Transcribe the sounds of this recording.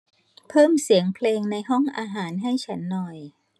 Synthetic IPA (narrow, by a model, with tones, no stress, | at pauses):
pʰɤː˥˩msi˨˩˦əŋpʰleː˧ŋna˧jɦɔ˥˩ŋʔaː˧ɦaː˩˦nɦa˥˩jt͡ɕʰa˦˥nːɔ˨˩j